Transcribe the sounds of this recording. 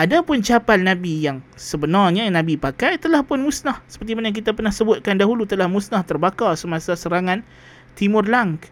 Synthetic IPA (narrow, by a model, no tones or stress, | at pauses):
ʔadapʊnt͡ʃapalnãbijaŋsəbənarɲanãbipakajt̪əlahpʊnmusnahsə̥pərt̪imanajŋk̬it̪ap̬ərnahsəbʊt̪̚kandaɦulut̪əlahmusnaht̪ərbakasəmasasəɾaŋan | t̪imʊrlaŋk